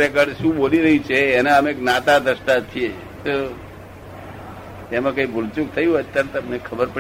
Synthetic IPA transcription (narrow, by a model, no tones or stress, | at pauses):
ɾekəɾʃũɓoliɾəɦĩt͡ʃʰeːnãəmeeknat̪ad̪əʃʈ̪at͡ʃ̪ʰie | t̪o | emãkəĩbʱʊlt͡ʃũk̚t̪ʰəjũɦoət̪jaɾt̪əmnekʰəbəɾpə